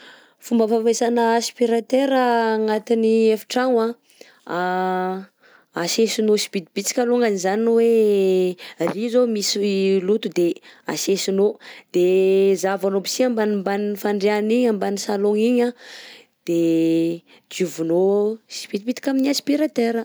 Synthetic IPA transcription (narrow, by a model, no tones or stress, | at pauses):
fumbəfamesanəːspiɾat̪eɾəːŋat̪iniefi̥ʈ͡ʂaŋa | a | asesinosi̥pit̪ibit͡si̥kʲaloŋanizaninwe | rizomisilut̪ud̪ea̰sesinod̪̥ezavanobisiambanimbaninfaɳɖ͡ʐeaniɲambanisaloŋiɲa | d̪̥e | d͡ʒ̪uvunosi̥pit̪̚bit̪ikʲaminiaspiɾat̪eɾə